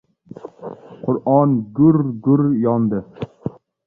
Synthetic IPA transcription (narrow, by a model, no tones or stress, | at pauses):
qʰʊɾʔɑnɡuɾɡʊɾjɑnd̪ɨ